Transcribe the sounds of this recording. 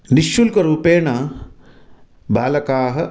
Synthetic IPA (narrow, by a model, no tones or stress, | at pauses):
niʃːulkɐɾuːpeːɳaː | baːlɐkaːɦɐ̆